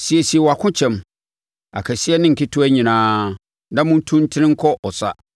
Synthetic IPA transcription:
si˨ɛ˨si˨ɛ˨wa˨kʰʊ̃˦t͡ɕʰɛ̃˨m | a̰˨kʰæ˨si˦ɛ˦nɪ̃˦ŋ̩˨kʰɪ˦tʰʊ˦æ˦ɲĩ˨nãː˦ | nã˦mʊ̃˦n˦tʰũ˦n˦tʰɪ˦nɪ̃˦ŋ̩˦kʰɔ˦ʔɔ˨sa̰˦

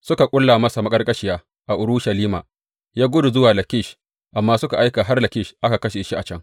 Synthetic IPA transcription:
sʊ˦ka˨kʷʼʊ˦lːaː˨mɐ˦sa˨mɐ˦kʼɐ˦rkʼɐ˦ʃɪ˦jaː˦ | ʔa˨ʔʊ˨ɾʊ˦ʃɐ˨liː˦ma̰ː˨ | jaː˦ɡʷʊ˦du˨zʊ˦waː˨lɐ˨kʲɪ˦˨ʃ | ʔa˨mːaː˦sʊ˦ka˨ʔa˦jkaː˨ɦa˦rlɐ˨kʲɪ˦ʃʔa˦ka˨kɐ˦ʃeː˨ʃi˦ʔa˨t͡ʃɐ˦ŋ

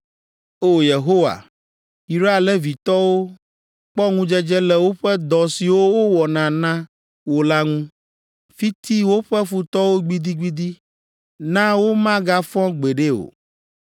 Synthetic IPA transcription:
o˦je˨ɦo˦wa̰˨ | i˨ɾa˦a˨lɛ˦vi˨t̪ɔ˦wo˦ | k͡pɔ˦ŋũ˦d͡ʒɛ˦d͡ʒɛ˦lɛ˨wo˦ɸɛ˦d̪ɔ˨si˨wo˦wo˦wɔ˨nã˨nã˦ | wo˦la˦ŋũ˦ | fi˦t̪i˦wo˦ɸɛ˦fu˨t̪ɔ˦wo˦ɡ͡bi˦d̪i˦ɡ͡bi˦d̪i˦ | nã˦wo˦mã˦ɡa˦fɔ̃˦ɡ͡be˨ɖe˦o̰˨

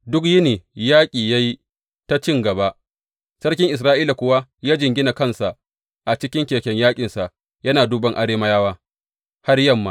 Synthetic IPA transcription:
dʊ˦k̬jɪ˦neː˨jaː˦kʲʼiː˨ja˦ji˦ | ta˦t͡ʃɪ˦˨ŋɡɐ˨ba˦ʔ | sɐ˦rkʲɪ˦ŋʔɪ˨s̬ɾaː˦ʔiː˦la˨kʷʊ˦wa˦jaː˦d͡ʒɪ˨ŋɡʲɪ˦na˨kɐ˦nsa˨ʔ | ʔa˨t͡ʃɪ˦kʲɪ˦ŋkʲeː˨kʲɛ˦ɲjaː˦kʲʼɪ˨nsa˨ʔ | jɐ˦naː˨du˦bɐ˦ŋʔa˨ɽeː˦mɐ˦jaː˦waː˦ | ha˦rjɐ˦˨mːa˨

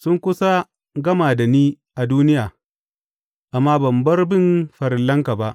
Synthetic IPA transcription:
sʊ˦ŋkʷʊ˦sa˦ | ɡɐ˦maː˨da˨niː˦ | ʔa˨duː˦nɪ˦jaː˨ | ʔa˨mːaː˦bɐ˨mbɐ˦rbɪ˦˨nɸɐ˨ɾɪ˨lːɐ˦ŋka˨ba˦ʔ

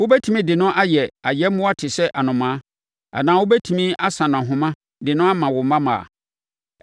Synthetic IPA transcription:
wʊ˦bɛ˦tʰi˨mĩ˦dɪ˨nʊ̃˦ʔa˦jɛ˨a˨jɛ˦mʊ̃˦a˦tʰɪ˨sɛ˦ʔa˨nʊ̃˨mã˨˦ | a̰˨nãː˨˦wʊ˦bɛ˦tʰi˨mĩ˦a˦sã˨nã˨ɦʊ̃˨mã˦ | dɪ˨nʊ̃˦a˦mã˨wʊ˨mã˦mã̰˨a̰˨

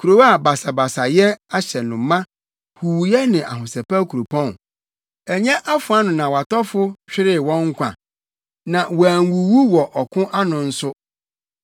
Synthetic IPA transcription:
kʰu˨ɾo˨wa˦˨ba˨sa˨ba˨sa˨jɛ˦a˦ɕɛ˨nʊ̃˨˦mːã˦ | hu˨wu˨jɛ˦nɪ̃˨ʔa̰˨hʊ̃˨sɛ˨pa˦kʰu˨ɾo˨pʰɔ̃˦˨n | ɛ˨ɲɛ̃˦ʔa˦fʊ˨a˦nʊ̃˨nã˨wa˨tɔ˦fʊ˦ɕᶣɪ˦ɾɪ˦wɔ̃˦ŋ˦kʷʰã̰˨ | nã˨wæ˨ŋ˦wu˨wu˦wɔ˨ʔɔ˨kʰʊ̃˦ʔa˦nʊ̃˨n̩˦sʊ˦

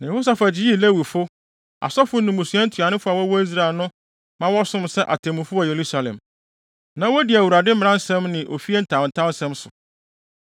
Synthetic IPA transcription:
nã˨ho˦s̬a˨fæ˨d͡ʑɪ˦ji˦le˦wi˨fʊ˦ | a̰˨sɔ˦fʊ˦nʊ̃˨mʊ̃˨su˨ɛ̃˦n̩˦tʰɥa˨nɪ̃˦fʊ˦a˨wɔ˦wɔ˦i˦s̬ɾa˨lnʊ̃˦ | mã˦wɔ˦sʊ̃˦msɛ˦ʔa̰˨tʰɛ̃˨mʊ̃˨fʊ˦ɔ˨je˨ɾu˦sa˨lɛ̰̃˨m | nã˨wɔ˦dɪ˨æ˨wu˨ɾa˨dɪ˦m̩˦mɪ̃˨ɾã˦n˦sɛ̃˦mnɪ̃˨ʔo̰˨fi˦e˦n̩˦tʰã˨n̩˨tʰã˦n̩˦sɛ̃˦msʊ̰˨

